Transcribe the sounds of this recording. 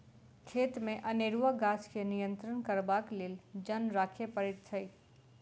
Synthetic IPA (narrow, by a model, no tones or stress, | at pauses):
kʰeːt̪mẽʔɐneːɾuʋəɡaːskenijə̃nt̪ɾənkɐɾbaːkleːld͡ʒənɾaːkʰepəɾɪt̪t͡ʃʰəi